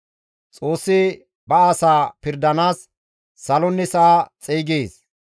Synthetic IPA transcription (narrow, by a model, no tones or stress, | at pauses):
t͡sʼo̞ːsːɪ | bɐɐsaːpɪɾd̪ɐnaːsː | ɐlɔnːɪsaːt͡sʼeːɡeːs